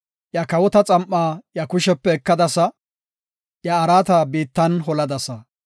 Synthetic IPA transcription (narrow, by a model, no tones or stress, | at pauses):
jɐkɐwɔt̪ɐt͡sʼɐmʔaːjɐkʊʃɛpːɛːkːɐd̪ɐsɐ | jɐːɾaːt̪ɐbiːt̪ːɐnɦɔlɐd̪ɐsɐ